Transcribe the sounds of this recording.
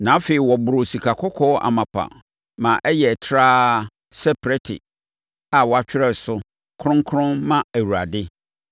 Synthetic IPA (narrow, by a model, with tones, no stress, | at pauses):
nã˨˦fe˨i˨wɔ˨bʊ˨ɾʊ˨si˨kʰa˨kʰɔ˦kʰɔ˦ʔa̰˨mã˨pʰa̰˨ | mã˨ʔɛ˦jɛ˨tʰɾaː˦ | sɛ˦pʰɾɛ˦tʰɪ̰˨ | a˨wɔ˨a˨t͡ɕᶣɪ˦ɾɛ˦˨sʊ˦ | kʰɾʊ̃˦ŋ˦kʰɾʊ̃˦nmã˦æ˨wu˨ɾa̰˨dɪ˦